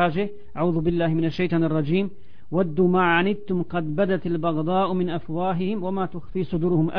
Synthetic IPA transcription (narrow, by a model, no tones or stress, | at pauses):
aːd͡ʒɪ | ʔaʕuːðʊbɪlːaːhmɪnaʃːajt̪ˤɑːnɑrˤːɑd͡ʒiːm | wad̪ːumaːʕanɪd̪̚t̪ʊmqɑd̪bad̪at̪albɑɣd̪ˤɑːʔmɪnʔafwaːɦɪhɪmwamaːt̪ʊxfiːsˤʊd̪uːɾʊhʊmʔa